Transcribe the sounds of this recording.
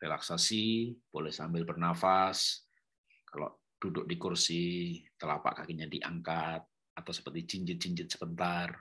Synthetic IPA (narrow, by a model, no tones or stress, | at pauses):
rela̰ksasib̥olɛhsambɪlbərnafas | kalo̰ | d̥udʊk̚dikursit̪əla̰pa̰ʔkakiɲadiʔa̰ŋkat̪̚ | at̪awsə̥pərt̪it͡ʃiɲd͡ʒɪt̪̚t͡ʃiɲd͡ʒɪt̪̚səbənt̪ar